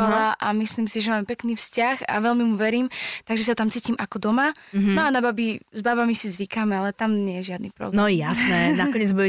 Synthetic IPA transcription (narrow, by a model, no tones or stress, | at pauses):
alaʔamislimsiʒɛmaːmpɛkniːfscaxa̰ʋɛlmimuʋɛɾiːmt̪aɡʒɛsat̪amt͡siːcimʔakɔd̪ɔma | ɦnɔanababizbabamisizʋikamɛalɛt̪amɲɛjɛʒɪad̪nipɾɔ̰bnɔjasnɛnakɔɲɪɛd͡zbuɛ